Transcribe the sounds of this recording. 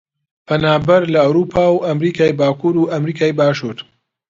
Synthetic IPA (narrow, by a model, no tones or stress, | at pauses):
pʰɐnaːbɐɾlɐawɾuːpʰaːwʔɐmɾiːkʰaːjbaːkuːɾuʔɐmɾiːkʰaːjbaːʃuːɾ